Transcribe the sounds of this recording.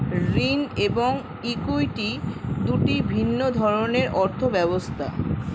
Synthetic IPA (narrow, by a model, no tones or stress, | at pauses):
ɾineboŋ | ikujʈid̪uʈibʱinːod̪ʱɔɾoneɾʔɔɾt̪ʰobɛbost̪ʰa